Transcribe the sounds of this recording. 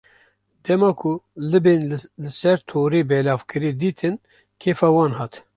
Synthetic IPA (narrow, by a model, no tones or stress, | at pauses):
d̪ɛmɑːkʰʊlɨbeːnlɨsɛɾt̪ʰoːɾeːbɛlɑːvkʰɨɾid̪iːt̪ʰɨn | kʰeːfɑːwɑːnɦɑːt̪